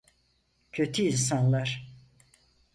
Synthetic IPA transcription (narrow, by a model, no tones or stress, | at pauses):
cʰøt̪ʰyinsanlˠaɾ̥